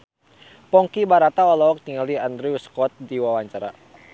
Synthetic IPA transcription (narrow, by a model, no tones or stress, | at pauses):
pɔŋkibaɾat̪aɔlɔɔk̚t̪iŋaliand̪ɾiuskɔt̪̚diwawaɲt͡ʃaɾa̰